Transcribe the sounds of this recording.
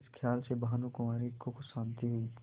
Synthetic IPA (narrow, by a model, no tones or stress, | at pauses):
skʰjaːlsebaɦanukʊmaːɾikokoʃãːnt̪iɦoi